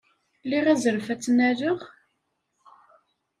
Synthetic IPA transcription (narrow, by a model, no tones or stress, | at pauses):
liʁæzəɾfæt͡sːnæɾəʁ